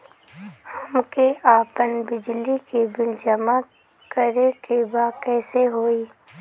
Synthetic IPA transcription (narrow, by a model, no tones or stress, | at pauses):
hɐmkeʔaːpənbɪd͡ʒlikebɪld͡ʒəma | kəɾekebaːkɛːseɦoːiː